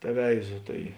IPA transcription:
tʲɛˈʋʲɛɪzoː ˈtɐɪ

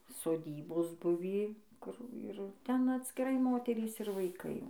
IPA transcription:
soːˈdʲiːboːs ˈbʊʋʲiː ˈkʊr ɪr ˈtʲɛn ɐtʲsʲkʲɪˈrɐɪ ˈmoːtʲɛrʲiːs ɪr ʋɐɪˈkɐɪ jɛʊ

